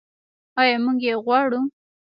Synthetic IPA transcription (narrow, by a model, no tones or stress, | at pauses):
ɑjɑmuɡjeɣwɑɽu